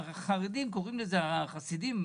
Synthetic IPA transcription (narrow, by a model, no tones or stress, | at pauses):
χaʁid̪imkoʁimlezeaχasid̪im